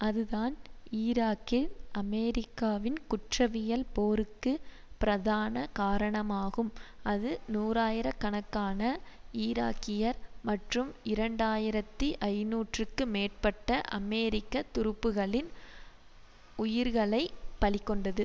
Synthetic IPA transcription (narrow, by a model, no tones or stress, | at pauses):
ɐðɯðaːniːɾaːkːɪlɐmɛːɾɪkːaːʋɪnkʊʈrɐʋɪjɐlpoːɾɯkːɯ | pɪɾɐðaːnɐkaːɾɐɳɐmaːɣɯmɐðɯnuːɾaːjɪɾɐkːɐɳɐkːaːnɐiːɾa̰ːkːɪjɐɾmɐʈrɯmɪɾɐɳɖaːjɪɾɐt̪ːiʔɐɪnuːʈrɯkːɯmeːr̚pɐʈːɐʔɐ̰meːɾɪkːɐt̪ːʊɾɯpːɯɣɐɭɪn | ʊjɪɾɣɐɭɐɪpɐɭɪkːɔɳɖɐðɯ